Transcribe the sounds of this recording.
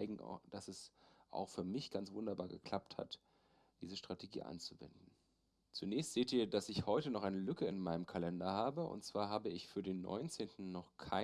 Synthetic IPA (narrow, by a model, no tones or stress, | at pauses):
ɪɡŋ̩̰d̥asɛsʔa̰ʊxfyːɐmɪçɡ̥ant͡sv̥ʊndɐba̰ːɐɡə̰kʰl̥ap̚tha̰t | d̥iːzəʃtʁ̥atʰeɡḭːʔa̰nt͡suvɛ̰ndn̩ | t͡sunɛːçstz̥eːtiːɐdasɪçhɔʏtənɔχʔaɪnəlʏkəɪnmaɪnəmkʰalɛndɐhaːbəʊ̰ntt͡sv̥aːɐɦaːbəɪçfyːɐdeːnːɔ̰ʏnt͡seːntn̩ːɔχkʰaɪ